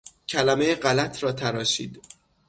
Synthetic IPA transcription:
cʰælæme̞jeɢælæt̪ʰɾɒːt̪ʰæɾɒːʃiːd̪̥

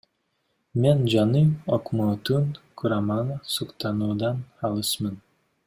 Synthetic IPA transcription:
me̞nd͡ʒɑnɯokmoːt̪unkʰuɾamɑnsuqt̪ɑnuːd̪ɑnɑlˠɯʃmɯn

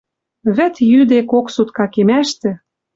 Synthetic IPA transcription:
βɘ̆t̪jyd̪ekoksut̪kɑkemæʃt̪ɘ̆

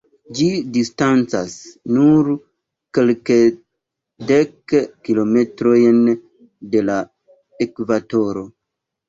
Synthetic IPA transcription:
d͡ʒidistant͡sasnuɾ | kelke | dekːilo̞metɾojn | de̞la | ekvato̞ɾo̞

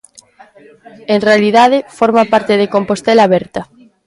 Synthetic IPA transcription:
enrealiðaðɪfoɾmapaɾt̪eðekompost̪elaβɛɾt̪ɐ

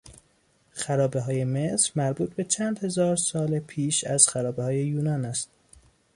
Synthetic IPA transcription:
xæɾɒːbe̞ɦɒːje̞mesɾmæɾbuːt̪̚be̞t͡ʃʰænd̪he̞zɒːɾsɒːlepʰiːʃæz̥xæɾɒːbehɒːje̞juːnɒːnæst̪̚

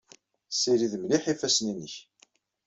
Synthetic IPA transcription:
siɾiðmniħifæsninəç

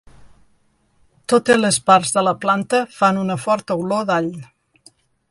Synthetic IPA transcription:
t̪ot̪elespaɾzðələplant̪əfanunəfɔɾt̪əwloðaʎ

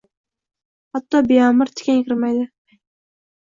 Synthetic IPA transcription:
hɑt̪ːɑbejɑmɨɾt̪ʰɪ̥kʲɛnkʲʰɪɾmæjd̪ɪ

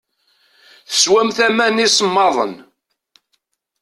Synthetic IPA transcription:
θə̥swæmθæmænismːɑðˤə̰n

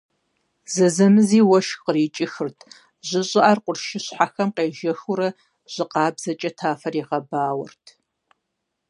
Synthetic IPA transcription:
zɐzɐmɨziːwɐʃqəriːt͡ʃʼɪxɨrtʰ | ʑɪɕʼɪʔarqʷʊrʃɪɕħaxɐmqeːʒɐxʊɾɐ | ʑ̥ɪqɑːbzɐt͡ʃʼɐtʰaːfɐriːʁɐbaːwɐ̰rtʰ

